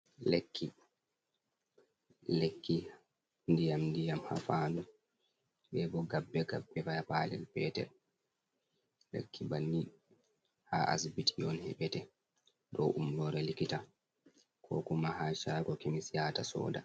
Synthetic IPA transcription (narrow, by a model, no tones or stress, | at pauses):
lekʰːi | lekːi | ndijamndijamha̰faːdu | bɛbɔɡabːɛɡabːɛfajapaːlɛ̰lpɛːtɛ̰ɾ | lḛkːibanːi | haʔa̰sbitijɔnhɛ̰ɓɛtɛ | dɔʔumlɔɾɛlikita | kʰɔ̰kumahaːʃakɔkemisijatasɔ̰ːda̰